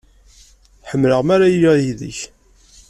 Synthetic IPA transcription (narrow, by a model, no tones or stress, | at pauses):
ħəmːləʁmæɾajjiðə̰ç